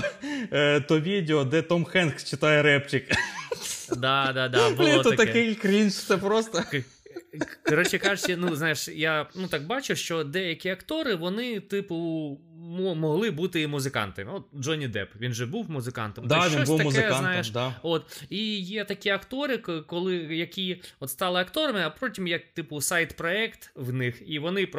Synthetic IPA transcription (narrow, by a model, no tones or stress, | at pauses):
t̪ɔʋʲidʲeɔd̪ɛt̪ɔmxɛnxt͡ʃɪt̪ɑjɛɾɛpt͡ʃɪk | d̪ɑd̪ɑd̪ɑblʲɛɔt̪ɔɐkt̪ɐɛɪkɾʲint͡ʃ̪sɛpɾɔst̪ɐ | kɔɾɔt͡ʃɛkɑʒʊt͡ʃɛnuznɑjɪʃjanut̪ɑk̚bɑt͡ʃʊʃt͡ʃɔd̪ɛjɐkʲiɐkt̪ɔɾɪʋɔnɪt̪ɪpʊ | mɔmɔɦlˠɪbut̪ɪmʊzɪkɑ̰nt̪ɐmʲɔt̪̚d͡ʒɔnʲid̪ɛ̰pʋʲinʒɛbuwmʊzɪkɑ̰nt̪ɐmd̪aʋiɔsuɐmʊkɛnɑjɪʃd̪ot̪ijɛt̪ɐkʲiɐkt̪ɔɾɪkɔlˠɪjɐkʲiɔt̪st̪ɑlˠɪɐkt̪ɔɾɐmɪɐpɾotʲimjɐk̚t̪ɪpʊsɑjt̪pɾɔɛkt̪wnɪxiʋɔnɪp